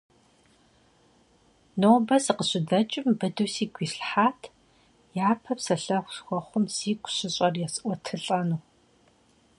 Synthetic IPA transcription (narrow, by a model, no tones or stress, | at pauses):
noːbɐzɨqəɕɪdɐt͡ʃʼɪmbɨdɨwsiːɡʷiːɬħaːtʰ | jaːpʰɐpsɐɬɐxʷʊɬxʷɔχʷʊmz̥iːkʷʼʊɕɪɕʼɐrjɛsʔʷɔtʰɨɬʼɐnuː